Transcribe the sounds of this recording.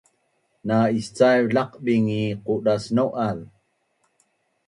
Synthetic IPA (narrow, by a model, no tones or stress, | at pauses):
naist͡sajɮaqɓiŋiquɗasnoʔal